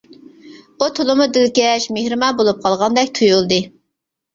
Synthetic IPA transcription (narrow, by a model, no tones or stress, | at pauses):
ut̪ʰolˠʊmud̪ɪlkʲɛʃmehɾɨmɑnbolˠup̚qʰɑlˠʁɑnd̪ɛkʲt̪ʰujulˠd̪ɨ